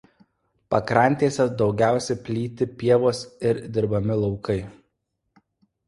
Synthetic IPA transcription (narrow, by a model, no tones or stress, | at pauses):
pɐkɾɐˑnʲt̪ʲeːsʲɛd̪ɒʊɡʲæˑʊsʲɛɪpʲlʲiːt̪ʲɪpʲiɛʋoːsɪɾd̪ʲɪɾbɐmʲɪlˠɔʊkɐɪ